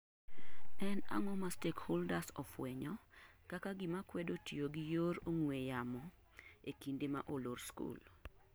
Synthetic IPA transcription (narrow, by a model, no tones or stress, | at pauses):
ɛna̰ŋɔmastekholdasɔfwɛɲɔ | kakaɡɪmakwɛdotioɡijoɾoŋwejamɔ | ekindemaʔoloɾskṵl